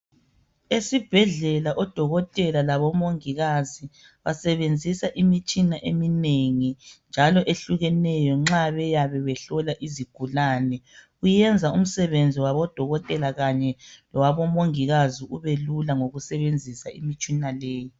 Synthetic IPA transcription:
esib̥ʱɛɮɛlaʔɔd̥ʱɔɣɔtʼɛlalaβɔmoŋiɣazi | βasɛβend͡zʱisaʔimit͡ʃʼinaʔemineŋind͡ʒʱalɔʔeɬuɣɛnɛjɔŋ͡ǁaβɛjaβɛβɛɬɔlaʔiziɡ̥ʱulaːnɛ | ujɛnd͡zʱaum̩sɛβend͡zʱiwaβɔd̥ʱɔɣɔtʼɛlaɣaɲɛlɔwaβɔmoŋiɣaziʔuβelulaŋoɣusɛβend͡zʱisaḭmit͡ʃʼinaleːji

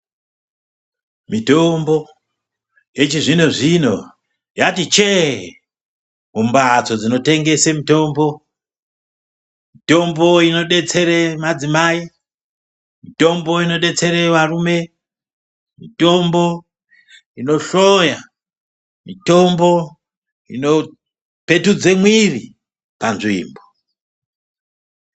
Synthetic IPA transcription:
mitombo̞ | je̞t͡ʃiʐinoʐino̞̰ | jatit͡ʃe | mumbat͡so̞d͡zino̞te̞ŋɡe̞semito̞ːmbo̞ | mito̞mbo̞ino̞ɗe̞t͡se̞ɾemad͡zimai | mito̞mbo̞ino̞ɗe̞t͡se̞ɾeʋarume̞ | mito̞mbo | ino̞ɬoja | mito̞mbo | ḭno̞ | pe̞tud͡zemwiri | panʐḭːmbo

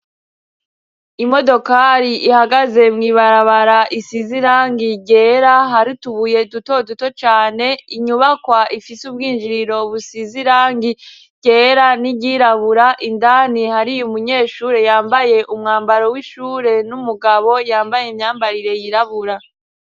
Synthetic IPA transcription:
imo̞do̞kaɾiʔihaɡaze̞mŋiːβaɾaβaɾaʔisiziɾaːŋɡiɟe̞ːɾaɦaɾituβuje̞duto̞duto̞t͡ʃaːne̞iɲuβakwaʔifisubɡiːnʒiɾiɾo̞βusiziɾaːŋɡi | ɟe̞ːɾaniɟiːɾaβuɾaʔindanihaɾijumuɲe̞ːʃuːɾe̞jaːmbaje̞ʔumŋaːmbaɾowiʃuːɾe̞numuɡaβo̞jaːmbajeimɲaːmbaɾiɾe̞jiɾaβuɾa

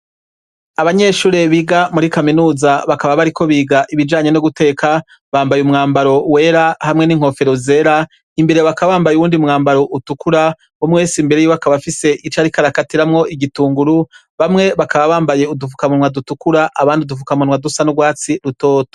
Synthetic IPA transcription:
aβaɲe̞ːʃuːɾe̞βiɡamuɾikaminuːzaβakaβaβaɾikʰo̞βiːɡaʔiβid͡ʒaːɲe̞noɡute̞ːkʰa | βaːmbajumŋaːmbaɾo̞we̞ːɾahamŋe̞niŋ̥o̞fe̞ɾoze̞ɾa | imbe̞ɾe̞βakaβaːmbajuwuːndiumŋaːmbaɾo̞ʔutukuɾa | omweːsimbe̞ɾejiakaβafise̞ʔit͡ʃaɾikaɾakatiɾamŋo̞ʔiɡituːŋɡuɾu | βamŋe̞βakaβaβaːmbaje̞udufukamunwadutukuɾaʔaβaːndiudufukamunwadusanuɡwaːt͡siɾuto̞ːto̥

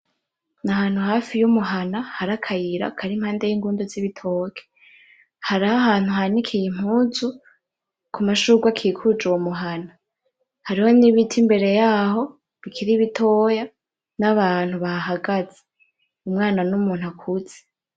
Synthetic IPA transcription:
nahaːn̥huhaːfijumuɦanahaɾakʰajiɾa̰kʰaɾimhaːnde̞jiːŋɡuːndoziβitʰoːkʰe̥ | haɾahaɦaːn̥huɦanikʰijim̥huzu | kumaʃuːɡwakʰiːkʰud͡ʒuwomuɦana | haɾiho̞niβitʰimbe̞ɾe̞jaːho̞ | βikʰiɾiβitʰo̞ːja | naβaːn̥huβaɦaɡaz̥e | umŋaːnanumuːn̥hakʰuz̥e̥

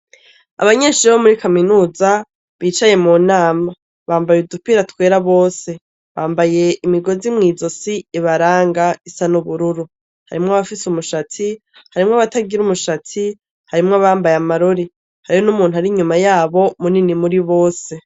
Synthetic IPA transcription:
a̰βaɲe̞ːʃiɾeβomuɾikaminuːza | βiːt͡ʃaje̞munaːma | βaːmbajudupiɾatwe̞ːɾaβo̞ːse̞ | βaːmbaje̞ʔimiɡo̞zimŋiːzo̞siiβaɾaːŋɡaisanuβuɾuɾu | ha̰ɾimŋoaβafisumuʃat͡si | haɾimŋaβataɡiɾumuʃat͡si | haɾimŋoaβaːmbajamaɾoɾi | haɾijonumuːn̥uhaɾiɲumajaːβo̞muninimuɾiβo̞ːse̞

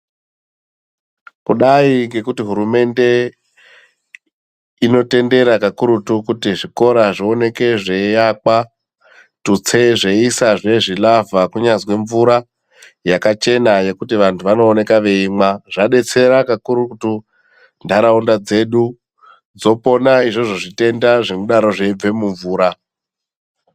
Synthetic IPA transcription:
kuɗaiŋɡe̞kutiɦuɾume̞nde̞ | ino̞te̞nde̞ɾakakuɾutukutiʐiko̞ɾaʐio̞ne̞ke̞ʐe̞jaka | tut͡se̞ʐe̞isaʐe̞ʐilavakuɲazwe̞ɱvuɾa | jakat͡ʃe̞naje̞kutiʋantʰuʋano̞ːne̞kaʋe̞imaʐ̥aɗe̞t͡se̞ɾakakuɾutu | ndʱaɾaundad͡ze̞ɗu | d͡zo̞po̞naiʐo̞ʐo̞ʐite̞ndaʐe̞muɗaɾo̞ʐe̞ib͡ve̞muɱvuːɾa

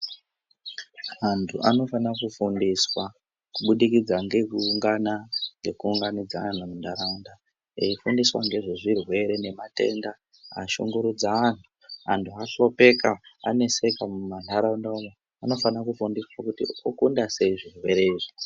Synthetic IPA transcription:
antʰuʔano̞fanakufundiswa | kuɓuɗikid͡zaŋɡe̞kuːŋɡanaŋɡe̞kuːŋɡanid͡zaanamundaɾaunda | eifundiswa̰ŋɡe̞ʐiʐirwe̞ɾe̞ne̞mate̞̰nda | a̰ʃo̰ŋɡuɾud͡zaantʰu̥ | antʰuaɬo̞pe̞kaa̰ne̞se̞kamuman̤aɾaundaoma | ano̞fanakufundiswakutḭokundase̞iʐirwe̞ɾeiʐi

